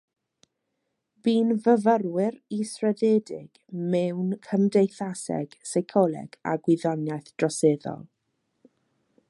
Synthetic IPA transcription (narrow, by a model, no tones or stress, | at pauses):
biːnvəvərwɪɾisrɛðeːdɪɡ̥mɛwnkʰəmdejθasɛ̰ɡ̥sajkʰɔlˠɛ̰ɡ̥a̰ɡwɪðɔnjajθd̥rɔseːðɔ̰lˠ